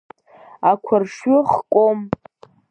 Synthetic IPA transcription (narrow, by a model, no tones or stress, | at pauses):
akʷʰʊrʂɥɪχkʷʼom